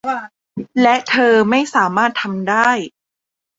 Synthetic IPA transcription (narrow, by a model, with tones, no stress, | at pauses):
lɛ˦˥ʔt̪ʰɤː˧ma˥˩jsaː˩˦maː˥˩t̪ʰːa˧mdaː˥˩j